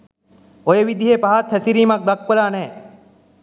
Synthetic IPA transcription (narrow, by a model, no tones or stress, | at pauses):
ojeʋid̪iɦepaɦat̪hɛsiɾiːmak̚d̪ak̚pəlaːnɛː